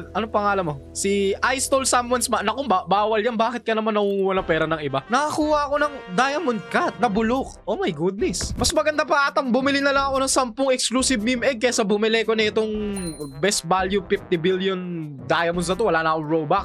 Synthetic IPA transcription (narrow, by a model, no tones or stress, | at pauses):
ʔɐnopɐŋaːlɐmːosiʔajst̪olsamwɐnsmɐnɐkoŋbabaːwɐljɐnbaːkɪt̪̚kɐnɐmanːɐhuŋuːwɐnɐŋpɛːɾɐnɐŋʔɪbanɐkɐkuːhɐɐko̞nɐŋd̪aːjɐmʊn̚kat̪̚nɐbʊlok̚ʔomɐjɡud̪̚nɛsmɐsmɐɡɐnd̪apɐʔaːt̪ɐŋbʊmɪlɪnɐlɐŋɐko̞nɐŋsampʊŋɛkskluːsɪb̚mimʔɛɡ̚kɐjasɐbʊmɪlɛkonɐɪt̪oŋbɛst̪̚baljupift̪ɪbiljond̪aːjɐmʊns̬nɐt̪owɐlaːnɐʔɐkoŋɹobak̚